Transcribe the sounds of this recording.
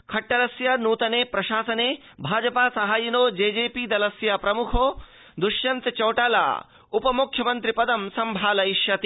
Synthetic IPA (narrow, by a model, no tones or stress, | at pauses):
kʰɐʈːɐlɐsjɐnuːt̪ɐneːpɾɐʃaːsɐneː | bʱaːd͡ʒɐpaːsɐɦaːjinoːd͡ʒeːd͡ʒeːpiːd̪ɐlɐsjɐpɾɐmukʰoː | d̪uʃjɐnt̪ɐt͡ʃɐwʈaːla̰ː | upɐmukʰːjɐmɐnt̪ɾipɐd̪ɐmsɐmbʱaːlɐiʃjɐt̪i